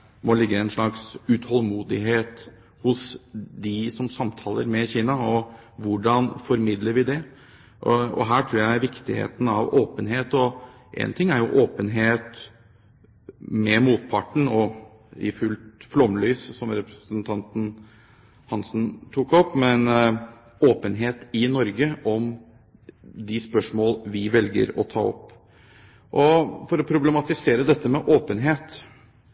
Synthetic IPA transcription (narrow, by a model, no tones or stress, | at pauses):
mɔlɪɡːəɛnʂɭɑksʉt̪ʰhɔlmuːd̪ɪɦeːt̪ | hʊsd̪ɪsɔmsɑmt̪ʰɑːlə̰ɾmɛçiːnɑɔ | ʋʊɖɑnfɔɾmɪd̪ləɾʋɪd̪ɛ | ʔɔ̰ɦæːʈʰɾuːɾjæɪæʋɪkt̪ɪhḛːt̪n̩ɑʋoːpənɦeːt̪ɔ | ʔɛ̰nt̪ʰɪŋːæɾjʊʔoːpənɦeːt̪ | mɛmuːt̪̚pʰɑʈːɳ̩ɔ | ɪ̰fʉlt̪flɔmlyːssɔmɾɛpɾəsənt̪ʰɑnt̪n̩ | hɑnsn̩t̪ʰukɔpːmɛn | oːpənɦeːt̪ɪnɔɾɡəʔɔm | d̪ɪspœʂmoːlʋɪʋɛlɡə̰ɾɔ̰t̪ʰɑ̰ːɔ̰pː | ʔɔfɔɾɔpʰɾʊblɛmɑt̪ɪseːɾəd̪ɛt̪ːəmɛʔoːpənɦeːt̪